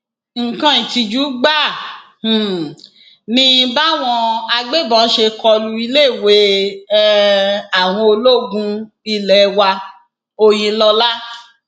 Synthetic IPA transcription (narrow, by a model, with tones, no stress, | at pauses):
ŋ̩˨kã˧ĩ˨ti˧d͡ʒu˨˦ɡ͡bã˦˨ | nĩ˧ba˦w̃ɔ̃˧a˧ɡ͡be˦˨bɔ̃˨˦ʃe˧kɔ˧lu˧i˧le˦˨we˨˦ | a˨w̃ɔ̃˧o˧lo˦˨ɡũ˧ | i˧lɛ˨˧wa˧ | o˧j̃ĩ˧˦lɔ˧la˦